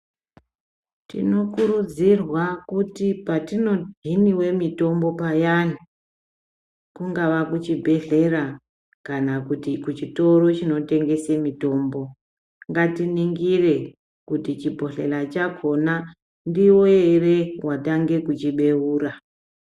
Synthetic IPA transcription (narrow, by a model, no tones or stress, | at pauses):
tḭno̞kuɾud͡zirwakutipatino̞dʱiniwe̞mito̞mbo̞pajanu | kuŋɡaʋakut͡ʃibʱe̞ɮe̞ra | kanakutikut͡ʃito̞ro̞t͡ʃino̞te̞ŋɡe̞semito̞ːmbo̞ | ŋɡatiniŋɡire̞ | kutit͡ʃibʱo̞ɬe̞lat͡ʃakʰo̞na | ndiwoere̞wʔataŋɡe̞kut͡ʃiɓe̞uːɾa